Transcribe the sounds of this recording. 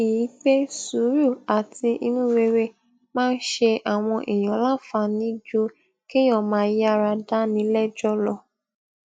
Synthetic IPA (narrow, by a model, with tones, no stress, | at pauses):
i˨ji˨˦k͡pe˦su˨˦ɾu˦˨a˨ti˧ʔi˧nũ˦we˧ɾe˦˨ | mãː˦˧n̩˦ʃe˧ʔa˨w̃ɔ̃˧ʔi˨j̃ɔ̃˨˦lã˦fa˧˨nĩ˦d͡ʒo˦ | kẽ˦ɔ̃˦˨mãː˦ji˦a˧ɾa˧da˦nĩ˨˦lɛ˦d͡ʒɔ˦lɔ˧